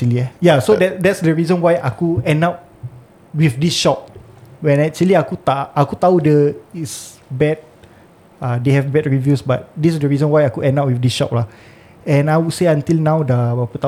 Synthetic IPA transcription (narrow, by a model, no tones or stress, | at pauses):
iliɛjasodɛtdɛtsdəɹizə̃nwajʔa̰kuɛ̃ndat̚ | wifdisʃɔp̚ | wɛ̃nɛk̚t͡ʃəliakut̪aʔakut̪audəits | bɛt̚ | adehɛvbɛt̚ɹivjusba̰t̚dissdəɹizə̃nwajakuɛ̃ndat̚wifdisʃɔ̰p̚la | ɛ̃najwudseãnt̪ilnãwdəbapət̪a